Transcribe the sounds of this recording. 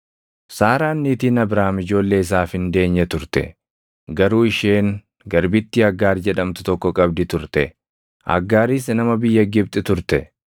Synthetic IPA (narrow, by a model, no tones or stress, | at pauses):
saːɾaːnːiːt̪iːnɐbɾaːmɪd͡ʒo̞ːlːe̞ːɪs̬aːfhɪnd̪e̞ːɲːɛt̪ʊɾt̪ɛ̰ | ɡɐɾuːɪʃeːŋ | ɡɐɾbɪt̪ːɪɐɡːaːɾd͡ʒɛᶑɐmt̪ʊt̪ɔkːɔkʼɐbd̪ɪt̪ʊɾt̪ɛ | ʔɐ̰ɡːaːɾiːs̬nɐmɐbɪjːɐɡɪb̚t̪ʼɪt̪ʊɾt̪ɛ